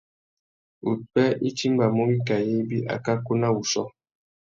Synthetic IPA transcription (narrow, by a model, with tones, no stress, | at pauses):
ṵ˨k͡pɛ˦i˦ti˦m˦ba˨mo˦bi˦ka˨je˦bi˦ʔa̰˨ka˦ko˦na˦wu˨sɔ˦